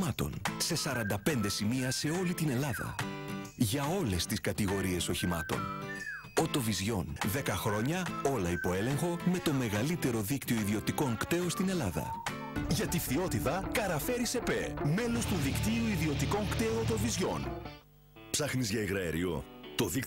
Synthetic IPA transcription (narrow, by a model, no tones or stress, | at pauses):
ɐt̪o̞̰nse̞sɐɾɐnd̪ɐpe̞nd̪e̞simiɐse̞o̞lit̪ine̞lɐðɐ̰ | ʝɐo̞le̞st̪iskɐt̪iɣo̞ɾie̞so̞çimɐt̪o̞̰n | ot̪o̞vizʝo̞nðe̞kɐxɾo̞ɲɐo̞lɐipo̞e̞le̞ŋxo̞me̞t̪o̞me̞ɣɐlit̪e̞ɾo̞ðikt̪io̞iðio̞t̪iko̞ŋkt̪e̞ost̪ine̞lɐðɐ̰ | ʝɐt̪ifθio̞t̪itɐkɐɾɐfe̞ɾise̞peme̞lo̞st̪uðikt̪iuiðio̞t̪iko̞ŋkt̪euot̪o̞vizʝo̞̰n | psɐxnizʝɐeɣɾɐḛɾḭo̞̰t̪o̞ðik